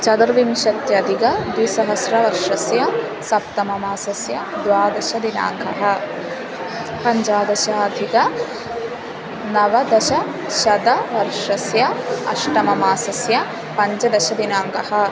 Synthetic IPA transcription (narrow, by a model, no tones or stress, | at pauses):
t͡ʃɐd̪ɾʋimʃɐt̪jɐd̪iɡɐd̪ʋisɐɦɐsɾɐʋɐɾʂɐsjɐ | sɐpt̪ɐmɐmaːsɐsjɐd̪ʋaːd̪ɐʃɐd̪ina̰ːŋɡɐɦɐ̆ | pɐɲd͡ʒaːd̪ɐʃaːd̪ʱiɡɐ | nɐʋɐd̪ɐʃɐ | ʃɐd̪ɐʋɐɾʂɐsjɐɐʃʈɐmɐmaːsɐsjɐ | pɐɲd͡ʒɐd̪ɐʃɐd̪inaːŋɡɐhɐ̆